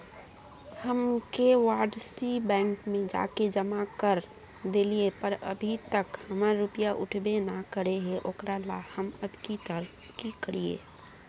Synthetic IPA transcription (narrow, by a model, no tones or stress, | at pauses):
həmkewaɖsibɛ̃ŋkmẽd͡ʒa̰ked͡ʒəmakəɾ | d̪eliepəɾə̰bʱit̪əkhəmaɾːupijaʔʊ̰ʈʰbenakəɾeɦeʔokɾala̰həməd̪kit̪əɾ | kikəɽiḛ